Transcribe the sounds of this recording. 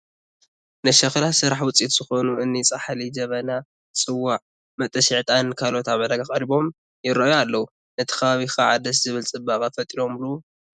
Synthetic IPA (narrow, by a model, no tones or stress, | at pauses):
nɨʃɐxlasɨɾaħwʊt͡sʼit̪z̥ɨxo̞nuɨnːit͡sʼaħalid͡ʒɐβɐna | t͡sʼɨwːaʕ | mɐt̪ʼɐʃiʕt̪ʼankʰalo̞t̪ʰaβɐlɐɡaχʼɐɾiβo̞m | jɪɾɐjoalːɐwu | nɨt̪ʰɐ̥kɐβaβixaʕa̰d̪ɐs̬z̥ɨβɨlt͡sʼɨbakʼafɐt̪ʼiɾo̞mluw